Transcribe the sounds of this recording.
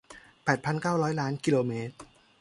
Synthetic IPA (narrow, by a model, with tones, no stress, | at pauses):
pɛː˨˩t̪̚pʰa˧nkaː˥˩wɾɔː˦˥jlaː˦˥nki˧loː˧meː˦˥t̪̚